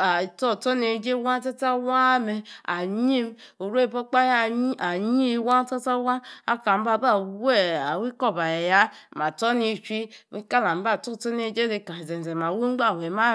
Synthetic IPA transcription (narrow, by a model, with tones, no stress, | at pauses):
a˨to˦˨to˦ne˨d͡ʒe˦wa˦ta˦ta˦wa˦me˨a˨ɲi˦m˦o˨ɾu˦e˦˨bo˦k͡pa˦ja˦˨˦a˨ɲi˦wa˦ta˦ta˦wa˦a˦ka˨m̩˦ba˨ba˦we˦a˨wi˦ko˦˨ba˨je˨ja˦˨ma˨to˦ni˨t͡ʃʷi˦ka˦la˨m̩˦ba˦˨to˦˨to˦ne˨d͡ʒe˦de˨ka˨ze˨n˨ze˨ma˨wu˦ŋ͡m̩˦ɡ͡ba˦˨we˨ma˦